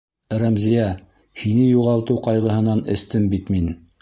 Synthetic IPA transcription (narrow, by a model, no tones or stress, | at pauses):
ɾæmzijæ | hinɘjuʁɑlˠt̪ɤwqɑjʁɤ̆ɦɤ̆nɑnɘ̆st̪ɘmbit̪min